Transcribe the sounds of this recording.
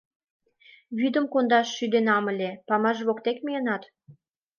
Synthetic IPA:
βyd̪ə̆mkond̪ɑʃːyd̪enɑmə̆lʲepɑmɑʒβokt̪ekmejənɑt̪

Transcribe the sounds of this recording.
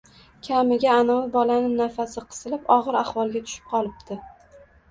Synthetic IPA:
kʲʰamɪɡʲaːnawɪbɒlanɪnafasɪqʰɨ̥z̥ɨlɪpɒʁɨɾaχwɒlˠɡʲat̪ʰʊ̥ʃɪ̥p̚qʰɒlˠɪp̚t̪ʰɪ

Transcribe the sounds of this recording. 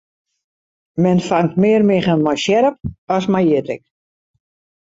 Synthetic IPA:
mɛnfaŋtmɪːərmɪɣənmajʃjɛɾəp̚ɔsmajɪtɪ̰k

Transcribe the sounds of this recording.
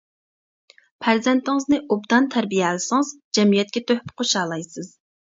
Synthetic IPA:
pʰæɾzɛnt̪ɪŋɨznɨʔobd̪ɑnt̪ʰæɾbijɛlsɨŋɨzd͡ʒɛmijɛt̪̚kʲɛt̪ʰøhpqʰoʃɑːlˠɑjsɨz̥

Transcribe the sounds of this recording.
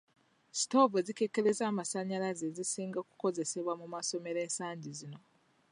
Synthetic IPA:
si̥to̞vezike̞ke̞ɾe̞zaːmasaɲalazezisiːŋɡaku̥ko̞ze̞se̞βwamumaso̞me̞ɾe̞ːnsaːɲɟizino̞

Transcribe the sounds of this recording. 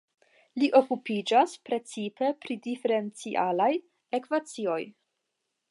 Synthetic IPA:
liʔo̞kupid͡ʒaspɾe̞t͡sipe̞pɾidife̞ɾe̞nt͡siʔalaj | e̞kvat͡sio̞j

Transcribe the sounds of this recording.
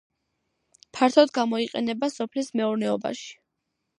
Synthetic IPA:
pʰaɾt̪ʰɔd̪ɡamɔiqʼɛ̰nɛbasɔpʰlismɛuɾnɛɔba̰ʃi̥

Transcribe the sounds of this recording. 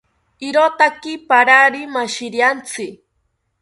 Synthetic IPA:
ɪɾot̪akɪpaɾaɾimaʃɪɾjant͡sɪ

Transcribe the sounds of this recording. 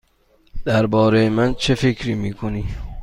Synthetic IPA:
d̪̥æɾbɒːɾejemænt͡ʃʰefekʰɾiːmiːkʰoniː

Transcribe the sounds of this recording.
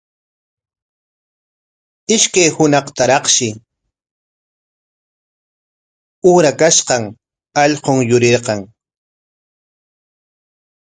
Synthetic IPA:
ɪʃkajhʊnɑqt̪aɾɑχʃɪ | uːɾakaʃqɑŋ | ɑʎqoŋjʊɾeɾqɑŋ

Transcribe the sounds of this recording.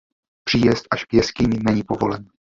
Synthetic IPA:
pr̥iːjɛst̪ʔaʃkjɛscɪɲɪnɛɲiːpo̞vo̞lɛn

